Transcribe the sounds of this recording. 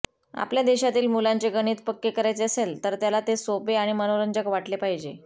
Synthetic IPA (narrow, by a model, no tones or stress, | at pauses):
a̰pljad̪eɕat̪iːlmulaɲt͡seɡəɽ̃iːt̪pəkːekəɾajt͡seəselt̪əɾt̪jalat̪esopeaɽ̃imənoɾəɲd͡ʑəkʋaʈlepaɦid͡ʑe